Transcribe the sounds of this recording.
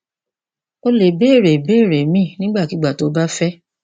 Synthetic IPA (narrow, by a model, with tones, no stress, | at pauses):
o˧le˨be˦˨ɾe˨be˦˨ɾe˨mĩ˦˨nĩ˦ɡ͡ba˦˨ki˨˦ɡ͡ba˦˨to˨˦ba˦fɛ˦